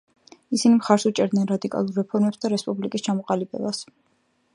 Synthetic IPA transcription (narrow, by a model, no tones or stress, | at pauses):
isinimχaɾsut͡ʃʼɛɾd̪nɛnɾad̪ikʼa̰lˠuɾːɛpʰɔɾmɛpsd̪aɾɛspʼublikʼist͡ʃʰamɔqʼalibʼɛ̰bas